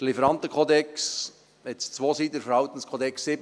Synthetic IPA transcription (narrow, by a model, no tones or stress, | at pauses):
dlifəɾɑnt̪əkʰoːd̪ɛks | ɛt͡st͡sʋoːsiːdəɾfəɾhɑʊt̪ən̩skʰoːd̪ɛksːɪb